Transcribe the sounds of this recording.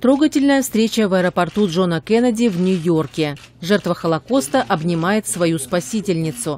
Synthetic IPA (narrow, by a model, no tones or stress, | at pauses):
t̪ɾoɡətʲɪlʲnəjəfst̪ɾʲet͡ɕəvɐɛɾəpɐrt̪udʐo̞nəkɛnɐdʲɪvnʲʊjo̞rkʲɪʐɛrt̪vəxəlˠɐko̞st̪əʔɐbnʲɪmajɪt̪svɐjuspɐsʲitʲɪlʲnʲɪt̪sʊ